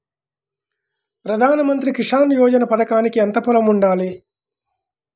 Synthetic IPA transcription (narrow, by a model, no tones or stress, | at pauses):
pɾɐd̪ʱaːnɐmɐnt̪̬ɾikiʂaːnjɔːd͡ʒɐnɐpɐd̪ɐkaːnikiɐnt̪ɐpɐlɐmuɳɖaːli